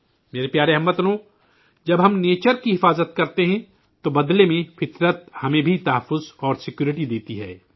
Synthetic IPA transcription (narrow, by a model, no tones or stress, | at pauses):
meːɾepjaːɾeɦɐmːɐt̪lõ | d͡ʒɐbɦɐmneːt͡ʃəɾkiɦɪfaːzət̪kɐɾt̪eɦɛ̃ | t̪obɐd̪lemẽfɪt̪ɾət̪̚hɐmẽbʱit̪ɐɦəfːʊzɔːɾsɪkjuːɾɪʈid̪eːt̪iɦɛ̰ː